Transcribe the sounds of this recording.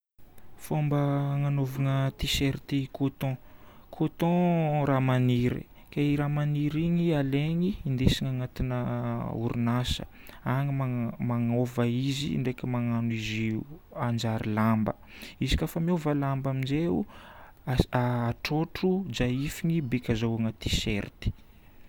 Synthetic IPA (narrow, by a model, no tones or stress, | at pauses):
fombəŋanovaŋət̪iseɾit̪ikʰot̪ɔ̃kʰot̪ɔ̃ɾamaniɾḭ | keiɾamaniɾiŋialeŋiːnd̪esiŋaŋat̪inəṵɾunasə̥̰ | aŋimamaŋovəizḭɳɖ͡ʐekʲimaŋanuiziand͡ʒaɾilambə̰ | izi̥kʲafamiovəlambamind͡ʒeṵ | aaːʈ͡ʂoʈ͡ʂud͡ʒaifiŋibekʲazaaŋət̪isḛɾt̪i̥